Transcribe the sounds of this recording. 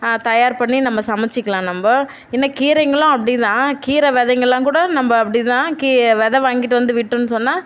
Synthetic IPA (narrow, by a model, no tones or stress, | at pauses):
t̪ɐjaːɾpɐɳːinɐmːɐsɐmɐt͡ʃːɪkːɐɭãːnɐmbɐ | ɪnːɐkiːɾɐɪŋɡɐɭʊ̃ɐpːɐɽɪt̪ãːkiːɾɐʋɛðɛŋɡɐɭlãːkuːɽɐnɐmbɐɐpːɐɽɪt̪ãːkiʋɛðɛʋaːŋɡɪʈ̬ːɯʋɐnd̪ɯʋɪʈːʊ̃nːɯsɔnːaː